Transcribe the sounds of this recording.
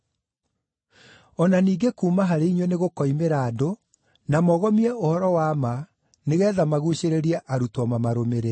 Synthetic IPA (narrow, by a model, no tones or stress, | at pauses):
ɔnaniːɡekuːmaɦaɾeiɲweneɣokɔimeɾaːdo | namɔɣɔmiɛohɔɾɔwaːma | neɣɛːðamaɣuɕeɾeɾiɛʔaɾutɔmamaɾomeɾe